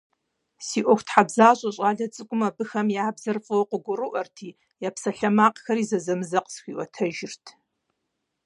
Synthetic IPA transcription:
siːʔʷɔxʷtħabzaːɕʼɐɕʼaːɮɐt͡sʼɨkʷʼʊmɐbɨxɐmjaːbzɐrfʼɨwoqʷʊɡʷʊrɨʔɐrtʰiː | japsɐɬɐmaːqxɐrizɐzɐmɨzɐqsxʷiːʔɔtʰɐʒɪrtʰ

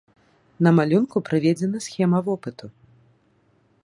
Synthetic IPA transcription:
nɐmalʲunkupɾɨvʲɛd͡zʲɛnɐsxʲɛmɐvɔpɨt̪u

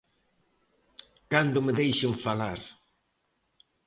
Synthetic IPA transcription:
kand̪ʊmeðejʃeɱfalaɾ

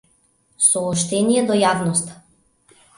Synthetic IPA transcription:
sɔɔʃt̪ɛnijɛd̪ɔjavnɔst̪ḁ

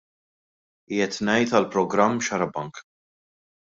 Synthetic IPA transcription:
iːɛt̪nɛjt̪ɐlpɾɔɡɾɐmːʃɐɾɐbɐŋk

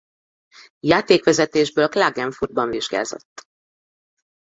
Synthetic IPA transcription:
jaːt̪eːkʋɛzɛt̪eːʒbøːlklaːɡɛɱfud̪bɒɱviʒɡa̰ːzo̞̰t̪ː

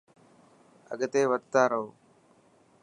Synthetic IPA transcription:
ə̰ɠt̪eːʋəd̪̚t̪aːɾəɦoː

